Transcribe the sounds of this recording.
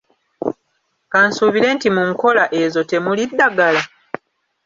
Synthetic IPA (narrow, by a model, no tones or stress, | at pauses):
kansuːβiɾe̞ːntimuŋko̞laʔe̞zo̞te̞mulidːaɡala